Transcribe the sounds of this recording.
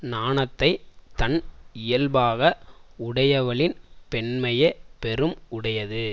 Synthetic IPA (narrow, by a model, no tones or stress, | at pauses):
naːnɐt̪ːɐɪt̪ɐnɪjɐlbaːɣɐʊɽɐjɐʋɐɭɪnpɛɳmɐjɐpɛɾɯmʊɽɐjɐðɯ